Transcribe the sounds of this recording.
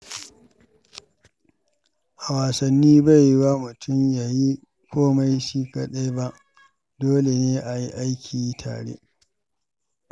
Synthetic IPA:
ʔa˨waː˨sɐ˨nːiː˦ba˦˨jwa˦mʊ˨tʰʊ˦˨mja˨ji˦ | kʷʰoː˦ma˦jʃiː˦ka˦ɗa˦jba˦ʔ | doː˦le˨neː˦ʔa˨ji˦ʔa˦jkʲʰiː˨˦tʰa̰ː˨ɽḛ˦

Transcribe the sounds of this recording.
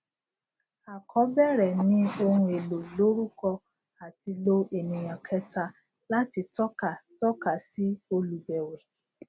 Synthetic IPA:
a˨kʰɔ˨˦bɛ˦˨ɾɛ˨nĩ˦o˧hũ˧e˨lo˨lo˨˦ɾu˦kɔ˧ | a˨ti˧lo˧e˨nĩ˨j̃ɔ̃˨kʰɛ˧˦ta˧ | la˦ti˧tɔ˦ka˦˨tɔ˦ka˦˨si˦o˧lu˨bɛ˨wɛ˨

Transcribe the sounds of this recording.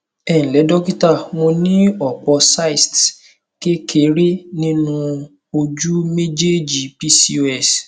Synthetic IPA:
ɛ̃˨lɛ˨˦dɔ˦ki˦ta˦˨w̃ɔ̃˧nĩ˦ɔ˦˨k͡pɔ˧sa˦i˨st | ke˦kʰe˨˦ɾe˦nĩ˦nũ˦ | o˧d͡ʒu˦me˦d͡ʒe˦d͡ʒi˨pi˦si˦o˦ɛ˦˨s

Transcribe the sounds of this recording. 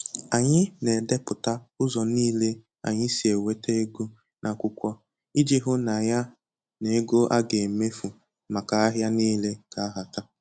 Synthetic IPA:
a˨ɲɪ˦ne˨de˦pʊ˨ta˦ʊ˦zɔ˨niː˦le˦ | a̰˨ɲɪ˦si˨e˨we˦te˦e˦ɡo˦ | nʔa˨kʷʊ˦kʷɔ˦ | i˦d͡ʒi˦ɦʊ˦na˨ja˦ | ne˨˦ɡo˦ʔa˦ɡe˨me˦fu˨ | ma˨ka˨a˦ɦja˦ni˦le˦ka˨a˦ɦa˨ta˦

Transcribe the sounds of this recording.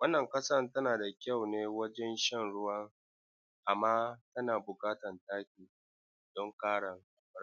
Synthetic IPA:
wɐ˦nːɐ˨ŋkɐ˦sa˦ntɐ˦naː˨da˨kʲɐ˦˨wneː˦wɐ˦d͡ʒɛ˦nʃɛ˦˨nɽʊ˦wɐ˦ŋ | ʔa˨mːaː˦tɐ˦naː˨bʊ˨kaː˦tɐ˨ntaː˦kʲiː˨ | dɔ˦ŋkaː˦ɽɐ˨ŋ˨˦˨

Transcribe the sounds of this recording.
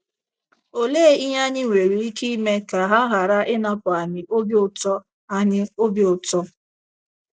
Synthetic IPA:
o˦le˦˨i˦ɲ˦a˦ɲɪ˦ŋʷe˨ɾi˨i˦ki˦i˦me˦ka˨ɦa˦ɦa˨ɾa˦ʔɪ˦na˦pʊ˨a˨ɲɪ˨ʔo˦bi˦ʊ˦˨tɔ˦ | a˦ɲɪ˦o˦bjʊ˨tɔ˦

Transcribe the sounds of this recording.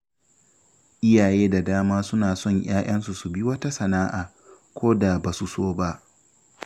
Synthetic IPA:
ʔɪ˦jaː˨jeː˦da˨daː˦maː˦sʊ˦naː˨sɔ˦˨ɲj̰aː˦ʔɐ˦nsu˨su˨bi˦wɐ˦ta˦sɐ˨naː˦ʔaː˨ | kʷoː˦da˨ba˨su˨soː˦ba˦ʔ

